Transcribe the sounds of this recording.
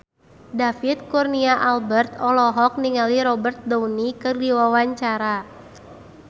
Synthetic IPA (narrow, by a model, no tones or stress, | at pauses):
dafit̪̚kurniaʔalbərt̪ɔlɔɦɔk̚niŋaliɾɔbərt̪̚dɔwnikɨrdiwawaɲt͡ʃaɾa